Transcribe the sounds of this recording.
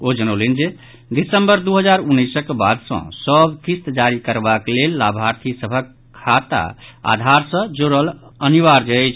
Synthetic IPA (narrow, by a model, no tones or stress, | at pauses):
od͡ʒənəlind͡ʒe | d̪isəmbəɾd̪uɦəd͡ʒaɾunːəjsəkba̰d̪sə̰̃səbkist̪d͡ʒaɾikəɾbaklelːabʱaɾt̪ʰisəbʱəkʰːat̪a̰a̰d̪ʱaɾsə̃d͡ʒoɾələniʋaɾd͡ʒɛt͡ʃʰ